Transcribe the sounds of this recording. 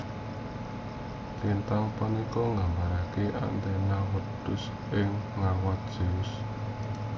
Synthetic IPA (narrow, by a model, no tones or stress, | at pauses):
lint̪aŋpənikɔŋɡambaɾakeʔa̰nt̪ɛnawəd̪̥ʊs | ʔɪŋːawat̪̚d̥ʒ̥ə̤ʊs